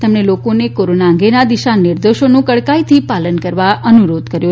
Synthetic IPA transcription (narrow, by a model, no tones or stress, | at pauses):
t̪emɳelokonekoɾonaə̃ŋɡenad̪iʃanɪɾd̪oʃonũkəɽkait̪ʰipalənkəɾʋaʔənuɾod̪kəɾjo